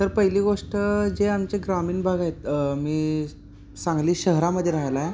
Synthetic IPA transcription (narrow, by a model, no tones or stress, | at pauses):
t̪əɾpəɦiliːɡoʂʈəd͡ʑeamt͡ɕeɡɾamiːnbʱaɡajet̪̚miː | sãŋɡliːɕəɦɾaməd̪ʱːjeɾaɦjlaj